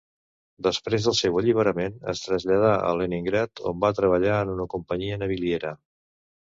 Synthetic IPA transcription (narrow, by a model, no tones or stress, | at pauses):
d̪əspɾezðəlˠsɛwəʎiβ̞əɾəmenə̰st̪ɾəzʎəð̞aʔə̰leniŋɡɾɛt̪ʰo̰mbat̪ɾəβəʎaənunəkumpəɲiənəβ̞ilieɾə